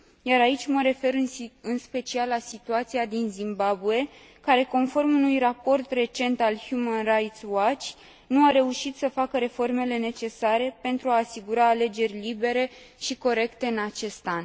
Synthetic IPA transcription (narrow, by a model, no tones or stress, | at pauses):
jaɾait͡ʃʲməɾe̞fe̞ɾɨnɨnspe̞t͡ʃialːasit̪uat̪siad̪inzimbabue̞ | kaɾe̞ko̞nfo̞rmunujrapo̞rt̪re̞t͡ʃe̞nt̪alhjumanrajt̪swat͡ʃ | nuaɾe̞uʃit̪səfakəɾe̞fo̞rme̞le̞ne̞t͡ʃe̞saɾe̞pe̞nt̪ɾuaːsiɡuɾaːle̞d͡ʒe̞rʲlibe̞ɾe̞ʃiko̞ɾe̞kt̪e̞ɨnat͡ʃe̞st̪an